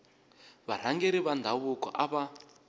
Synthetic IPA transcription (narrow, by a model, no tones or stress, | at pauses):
βar̤aŋɡeɾiβand̪ʱaβukɔ̰ʔaβa